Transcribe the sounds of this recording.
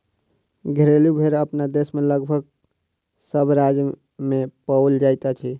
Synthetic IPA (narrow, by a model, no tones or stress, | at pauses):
ɡʱəɾelubʱeɾəpnad̪esmeləɡbʱəɡ | səbʱɾad͡ʒ | mepəwld͡ʒajt̪at͡ʃʰi